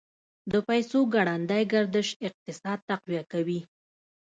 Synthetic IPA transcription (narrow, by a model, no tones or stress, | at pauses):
d̪əpajsoɡaɽand̪ajɡaɾd̪əʃɪq̚t̪ɪsɑd̪̚t̪aqwijakawi